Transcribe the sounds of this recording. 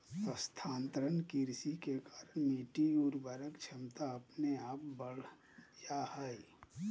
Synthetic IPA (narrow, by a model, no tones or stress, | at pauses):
səst̪ʰãːnt̪ɾənkiɾsikekaːɾənmiːʈiuɾbəɾəkt͡ʃʰəmt̪aəpneaːpbəɽ | jaɦaːi